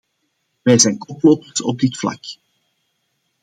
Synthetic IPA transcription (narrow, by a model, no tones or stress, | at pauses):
ʋɛjzɛjnkɔploːpəsɔ̰b̚d̪ɪtflɑ̰k